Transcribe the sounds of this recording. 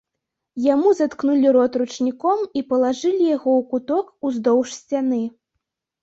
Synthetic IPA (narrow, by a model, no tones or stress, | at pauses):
jamuzat̪knulʲiɾɔt̪ɾut͡ʂnʲikɔmipɐlˠaʐɨlʲijaɣɔwkut̪ɔkuzd̪ɔwʂsʲt͡sʲanɨ